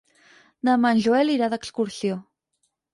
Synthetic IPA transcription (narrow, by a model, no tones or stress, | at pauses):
nəmanʲʒuɛliɾaðəkskuɾsjo